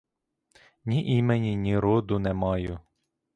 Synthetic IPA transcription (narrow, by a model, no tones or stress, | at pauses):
nʲiʔimenʲinʲiɾɔd̪ʊnɛmɑjʊ